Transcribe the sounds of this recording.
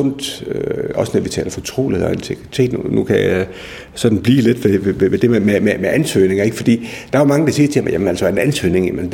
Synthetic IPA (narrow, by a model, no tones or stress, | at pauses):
ɔn̰d̥øɒ̽sənɔʋit͡sʰɛ̰ːlɐfɒ̽t͡sʰʁo̝̰ːlihḛɒe̝nt͡sʰeɡ̥ʁit͡sʰe̝̰ːd̥nunukʰæja | sɒ̽d̥n̩b̥liːle̝d̥ʋeʋeeʋed̥e̝memememeʔænsø̰ːne̝ŋɐe̝ɡ̥fɒ̽d̥ḭːd̥ɑ̈æmɑ̈ŋəd̥ɑ̈siːɐt͡sʰe̝mjæmenæl̰sɒenænsø̰ːne̝ŋjæmən